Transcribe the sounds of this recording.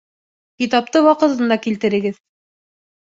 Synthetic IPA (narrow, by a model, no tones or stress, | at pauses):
kit̪ɑp̚t̪ɤwɑqɤ̆t̪ɤ̆nd̪ɑkilt̪ɘ̆ɾɘ̆ɡɘð